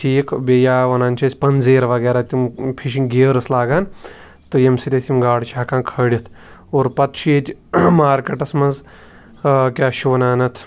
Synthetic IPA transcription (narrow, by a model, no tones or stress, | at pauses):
tʰiːkʰbeːjaːʋɐnaːnʲt͡ʃʰɐsʲpɐnzeːɾɐʋɐɡeːɾaːt̪impʰiʃiŋɡeɾɐslaːɡaːn | t̪ɨjɐmsiɾʲɐsʲimɡaːɽt͡ʃʰaːkãːkʰɐːɽʲit̪ʰ | oːɾpɐt̪ʃet̪ʲmaːɾkɐʈɐsmɐnz | kʲaːʃuʋɐnaːnɐt̪ʰ